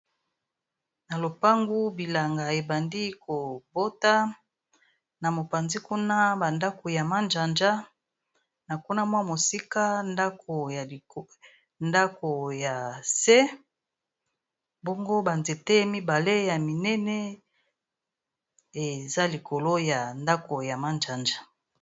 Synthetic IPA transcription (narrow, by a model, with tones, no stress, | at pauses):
na˨lo˨pa˦ŋɡu˦bi˨la˨ŋɡa˨e˨ba˨ndi˦ko˨bo˦ta˦ | na˨mo˨pa˨nzi˦ku˦na˦ba˨nda˦ko˨ja˨ma˦nd͡ʒa˨nd͡ʒa˦ | na˨ku˦na˦mwa˦mo˨si˦ka˦nda˦kʰo˨ja˨ | nda˦ko˨ja˨sɛ˦ | bo˦ŋɡo˦ba˨nze˨te˦mi˦ba˨le˦ja˨mi˨nɛ˦nɛ˦ | e˨za˦li˨ko˨lo˦ja˨nda˦ko˨ja˨ma˦nd͡ʒa˨nd͡ʒa˦